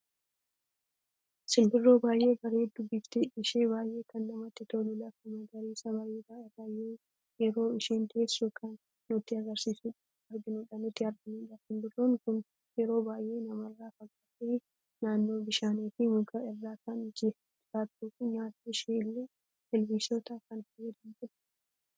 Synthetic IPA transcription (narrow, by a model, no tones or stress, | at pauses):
sɪlbɪrːoːbaːjʔe̞ːɡɐɾeːd̪ʊbːɪːft̪eɪʃeːbaːjʔe̞ːkʰɐnːɐmɐt̪ːɪt̪oːnʊlɐfɪnɐɡɐɾeːsɐbaːjʔeːkaɪraːjeː | jɛɾo̞ːɪʃiːnt̪eːsːukʰɐnː | ʊt̪ːɪɐɡɐɾsiːsʊᶑɐ | ɐɾɡɪnʊᶑɐnʊt̪ːɪɐɾɡɪnʊːᶑɐsɪmbɪrːoːŋkʊn | jɛɾo̞ːbaːjʔe̞ːnɐmɐrːaːfɐɡaːteː | naːnːo̞ːbɪʃaːneːfɪmʊkaɪrːaːkanɪd͡ʒeːft̪ɪfaːt̪ːukʊmaːt̪iʃeːlːeː | hɛlbisot̪akɐnfɐɛd̪ɐnd͡ʒɪɾ